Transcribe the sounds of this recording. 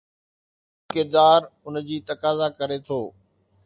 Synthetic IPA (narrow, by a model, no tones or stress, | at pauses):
kɪɾd̪aːɾʊnəd͡ʑiːt̪ɐkaːzakɐɾet̪ʰoː